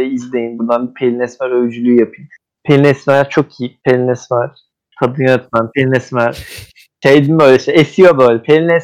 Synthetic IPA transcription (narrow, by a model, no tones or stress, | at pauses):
ɛizlʲejinbund̪anbipʰelʲinɛsmæɾøjd͡ʒylʲyːjapʰɯjn | pʰelʲinɛsmæɾt͡ʃʰok̚ʰijipʰelʲinɛsmaɾ | kʰad̪ɯnjant̪manpʰelʲinɛsmæɾ | ʃejd̪imbøjlʲɛʃejesijobøːlʲɛpʰelʲinɛs